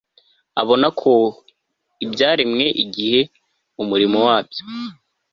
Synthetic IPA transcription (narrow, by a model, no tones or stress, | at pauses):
a̰βo̞nakʰo̞ | ibɟaːɾimŋe̞ʔiɡihe̞ | umuɾimowaːbjo̞